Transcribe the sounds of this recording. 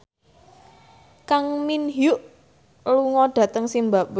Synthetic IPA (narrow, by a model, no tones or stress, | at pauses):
kaŋminɦjʊʔ | luŋɔɖ̥ä̤t̪əŋsimbaʔ